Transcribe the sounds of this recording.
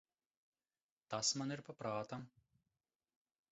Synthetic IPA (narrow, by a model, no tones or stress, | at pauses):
t̪asmaniɾpapɾaːt̪am